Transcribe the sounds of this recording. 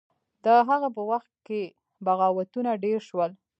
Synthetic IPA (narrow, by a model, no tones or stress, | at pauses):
d̪əɦaɣap̬əwaxt̪̚ke | baɣɑwat̪unaɖeɾʃwəl